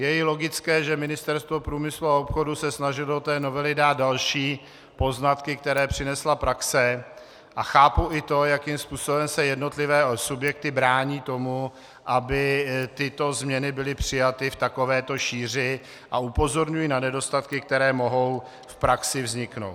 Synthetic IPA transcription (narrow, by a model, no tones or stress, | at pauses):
jɛjɪlo̞ɡɪt͡skɛːʒɛmɪnɪst̪ɛɾst̪vo̞pɾuːmɪsluaopxo̞dusɛsnaʒɪlot̪ɛːno̞vɛlɪdaːt̪̚dalʃiː | po̞znat̪kɪk̚t̪ɛɾɛːpr̝̥ɪnɛslapɾaksɛ | ʔaxaːpuɪt̪o̞jakimspuːso̞bɛmsɛjɛdno̞t̪lɪvɛːsubjɛk̚t̪ɪbɾaːɲiːt̪o̞mu | ʔabɪt̪ɪt̪o̞zmɲɛnɪbɪlɪpr̝̥ɪjat̪ɪft̪ako̞vɛːt̪o̞ʃiːr̝ɪ | ʔaupo̞zo̞ɾɲujinanɛdo̞st̪at̪kɪk̚t̪ɛɾɛːmo̞ɦo̞w | fpɾaksɪvzɲɪkno̞̰wt̪